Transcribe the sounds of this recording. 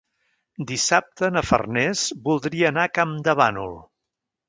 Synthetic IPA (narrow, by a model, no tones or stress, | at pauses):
d̪isap̚t̪ənəfə̰rnɛzbulˠd̪ɾiəːnakamd̪əβa̰nṵlˠ